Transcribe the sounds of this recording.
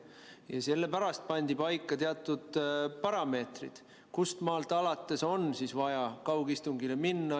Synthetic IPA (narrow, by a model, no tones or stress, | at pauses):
jɑselːepæɾɑst̪̚pɑnʲd̪̥ipɑjkːˑɑt̪eɑt̪ːˑud̪̥pɑɾɑme̞ːt̪rḭd̪̥ | kust̪mɑːlt̪ːˑɑlɑt̪ːˑe̞so̞nsisvɑjɑkɑwɡ̥ist̪uŋɡileminːɑ